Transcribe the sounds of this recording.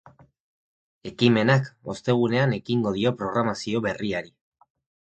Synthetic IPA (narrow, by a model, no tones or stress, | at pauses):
e̞kime̞nako̞st̪e̞ɣ̞une̞ane̞kiŋɡo̞ð̞io̞pɾo̞ɣɾamasio̞βe̞riaɾi